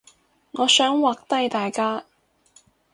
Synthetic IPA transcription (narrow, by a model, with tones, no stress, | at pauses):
ŋɔː˨˧sœː˨˥ŋwaː˨k̚t̪ɐ˥jt̪aː˨jkaː˥